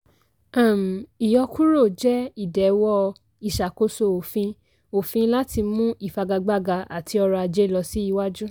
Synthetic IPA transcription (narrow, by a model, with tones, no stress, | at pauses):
ã˦˨m̩˨i˨jɔ˧ku˦ɾo˦˨d͡ʒɛ˦i˦˨dɛ˨wɔ˦ | i˨ʃa˨ko˧so˧o˨fĩ˧ | o˨fĩ˧la˦ti˧mũ˦ʔi˦˨fa˧ɡa˧ɡ͡ba˧ɡa˧ʔa̰˨tʰi˧ɔ˧ɾa˧a˧d͡ʒe˦˨lɔ˧si˦i˧wa˦d͡ʒu˦